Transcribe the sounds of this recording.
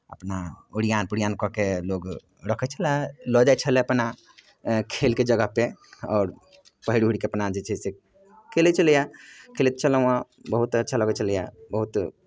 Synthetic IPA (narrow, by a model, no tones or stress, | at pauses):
ə̰pnauɽijaːnpʊɽijaːnkɔkeloːɡ | ɾəkʰɛt͡ʃʰəlɛlɔd͡ʒat͡ʃʰəleəpna | kʰeːlked͡ʒəɡəpeɔːɾ | pəɦiɽiɦuɽikeəpnad͡ʒet͡ʃʰese | kʰelet͡ʃəljakʰeːlet̪t͡ʃʰələ̃ã | bəɦut̪ətːʃʰaləɡət͡ʃəlja̰bəɦut̪